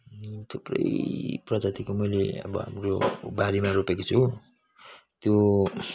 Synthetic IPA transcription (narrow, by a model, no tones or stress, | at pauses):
t̪ʰuprʌ̰jprʌd͡zat̪ikomʌjlḛʌ̰bʌ̰ɦa̰mro̰baɾemaɾopekot͡sʰu | t̪jo